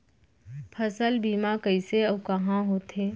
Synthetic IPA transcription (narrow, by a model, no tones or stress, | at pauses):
pʰəsəlbiːmakɐiseɐkɐɦãɦoːt̪ʰeː